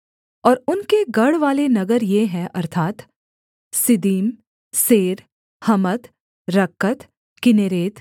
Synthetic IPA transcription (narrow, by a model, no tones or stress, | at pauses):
ɔːɾʊnkeɡɐɽʋaːlenɐɡəɾjeɦɛ̃ʔɐɾt̪ʰaːt̪ | sɪd̪iːm | seːɾ | hɐmət̪ | ɾɐkːət̪ | kɪneːɾeːt̪